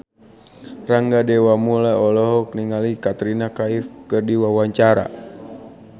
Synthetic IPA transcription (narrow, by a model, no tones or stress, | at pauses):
raŋɡadɛwamulaɔlɔɦɔk̚niŋalikat̪ɾinakaifkɨrdiwawaɲt͡ʃaɾa̰